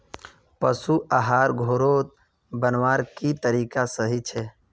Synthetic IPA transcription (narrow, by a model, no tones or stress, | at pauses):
pəsuʔaɦaːɾɡʱoːɾoːt̪̚ | bənʋaːɾkit̪əɾiːkasəɦit͡ʃʰɛː